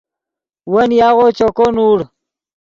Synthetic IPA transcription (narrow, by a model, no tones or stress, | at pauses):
wɐnjaːɣot͡ɕokonuːɽ